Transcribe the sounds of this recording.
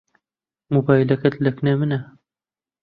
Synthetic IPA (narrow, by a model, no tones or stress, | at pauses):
moːbaːjlɐkɐt̪lɐknemɨnɐ